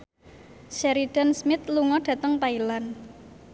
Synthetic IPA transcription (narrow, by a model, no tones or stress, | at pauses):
ʃɛɾid̥ansmɪt̪̚luŋɔɖ̥ä̤t̪əŋt̪ailan